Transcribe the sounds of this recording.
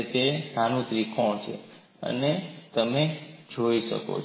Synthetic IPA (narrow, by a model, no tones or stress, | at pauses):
t̪esanũt̪ɾikʰõt͡ʃʰḛ | ə̰net̪əmed͡ʒoiʃə̰ko̰t͡ʃ